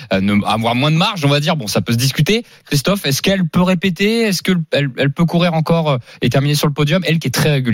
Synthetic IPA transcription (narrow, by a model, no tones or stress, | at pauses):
nəa̰vwaʁmwɛ̃d̪əmaʁʃɔ̃vad̪iʁbɔ̃sapøs̬əd̪is̬kʲyt̪e | kχist̪ɔfɛskɛlpøʁepet̪eɛskəɛlɛlpøkuʁiʁɑ̃kɔʁøet̪ɛʁminesyʁləpɔd̪jɔmɛlkʲiɛt̪χɛʁeɡʲyl